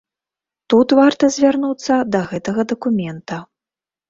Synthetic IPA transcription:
t̪ut̪vart̪ɐzʲvʲarnut̪sːɐd̪ɐɣɛt̪ɐɣɐd̪ɐkumʲɛnt̪ɐ

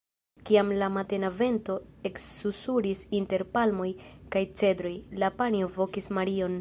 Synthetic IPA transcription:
kiamlamate̞nave̞ntoe̞ksusuɾisinte̞ɾpalmo̞jkajt͡se̞dɾo̞jlapanio̞vo̞kismaɾio̞n

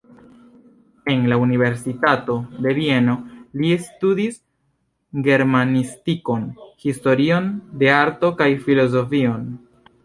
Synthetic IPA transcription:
e̞nlaunive̞ɾsitato̞de̞vie̞no̞liestudis | ɡe̞ɾmanistiko̞nhisto̞ɾio̞nde̞aɾto̞kajfilo̞z̬o̞fio̞n

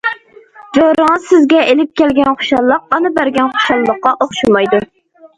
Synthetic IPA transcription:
d͡ʒoɾɨŋəzsɪzɡʲɛʔelɪp̚kʲɛlɡʲɛnχo̥ʃɑlˠːəq̚ɑnɨbæɾɡʲɛnχo̥ʃɑlˠːəqːɑʔoχʃumɑjd̪u

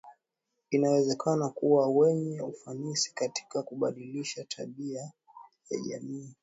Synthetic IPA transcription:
inawɛzɛkʰanakuwawɛɲɛufanisi̥kati̥kakuɓaɗiliʃatʰaɓia | ja̰ʄa̰miː

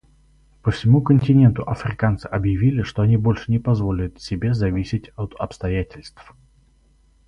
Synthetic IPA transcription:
pəfsʲɪmukənʲtʲɪnʲe̞nt̪ʊʔɐfɾʲɪkant̪sɨʔɐbjɪvʲilʲɪʂt̪oɐnʲibo̞lʲʂɨnʲɪpɐzvo̞lʲɪjʊt̪sʲɪbʲezɐvʲisʲɪtʲot̪ɐpst̪ɐjatʲɪlʲst̪f

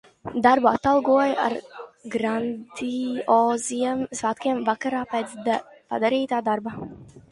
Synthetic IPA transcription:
d̪aɾbuat̪ːalˠɡuɔja̰ɾɡɾand̪iɔːziɛmzvat̪kʲiɛmvakaɾaːpɛt̪s | pa̰d̪aɾiːt̪aːd̪aɾba

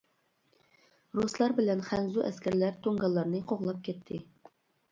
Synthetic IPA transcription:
ɾuslˠɑɾbɪlɛnχænzuʔɛskʲæɾlæɾt̪ʰoŋɡɑlˠːɑɾnɨqʰoʁlˠɑp̚kʲʰɛt̪ʰːɪ

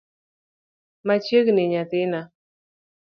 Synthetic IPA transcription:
mat͡ʃjekneɲat̪ɪna

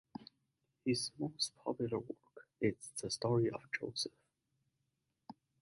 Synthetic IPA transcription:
hɪzmoʊst̚pʰɑ̰pjʊlˠə˞wɜ˞kɪtsð̥əstɔɹiʔəvd͡ʒo̰ʊsəf

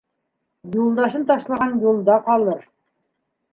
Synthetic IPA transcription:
julˠd̪ɑʃɤnt̪ɑʃlˠɑʁɑnjulˠd̪ɑqɑlˠɤɾ

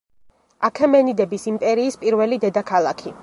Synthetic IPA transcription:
akʰɛmɛnid̪ɛbisimpʼɛɾiːspʼiɾvɛlid̪ɛd̪akʰalˠakʰi

